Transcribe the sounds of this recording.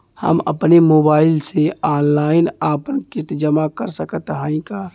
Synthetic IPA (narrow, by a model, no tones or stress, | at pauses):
hə̰mə̰pnemoːbaːɪlseaːnlaːɪnaːpənkɪt̪d͡ʒəmakəɾsəkət̪ɦãːĩkaː